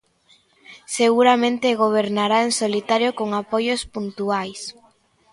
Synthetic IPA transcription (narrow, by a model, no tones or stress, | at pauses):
seɣuɾamẽnt̪eɣ̞oβ̞eɾnaɾaensolit̪aɾjokoŋapojospunt̪uajs